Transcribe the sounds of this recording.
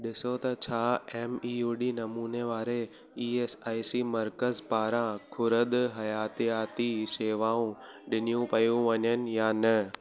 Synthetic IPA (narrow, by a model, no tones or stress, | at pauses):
ɗɪsot̪ɐt͡ɕʰaːeːmiːjuːɗiːnɐmuːneʋaːɾe | iːeːsaːisimɐɾkəzpaːɾãkʰʊɾəd̪ɦɐjaːt̪ijaːt̪iseːʋaːũɗɪnijũpɐjũʋɐɲənɪ̆jaːnɐ